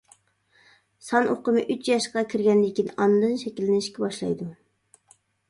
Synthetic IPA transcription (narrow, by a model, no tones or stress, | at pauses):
sɑnʔoqəmɨʔyt͡ʃjɑʃqɑkʲʰiɾɡʲɛnd̪ɪkʲinɑnɨd̪ɨnʃɛkʲilːɪnɪʃkʲɛbɑʃlˠɑ̰jd̪u